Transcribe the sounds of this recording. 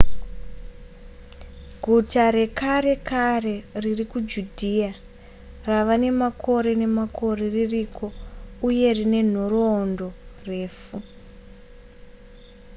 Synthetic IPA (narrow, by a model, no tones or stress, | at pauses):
ɡʱutaɾe̞kaɾe̞kare̞ririkud͡ʒudʱia | raʋane̞makʰo̞ɾe̞ne̞makʰo̞reririkʰo̞uje̞rine̞n̤oroːndo̞re̞ːfu